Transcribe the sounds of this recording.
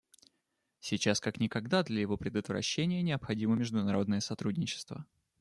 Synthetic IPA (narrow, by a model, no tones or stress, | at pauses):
sʲɪt͡ɕaskaknʲɪkɐɡd̪ad̪lʲɐjɪvo̞pɾʲɪd̪ət̪vɾɐ̰ɕːenʲɪjənʲɪɐpxɐdʲiməmʲɪʐd̪ʊnɐɾo̞d̪nəjəsɐt̪ɾudʲnʲɪt͡ɕɪ̥st̪və̰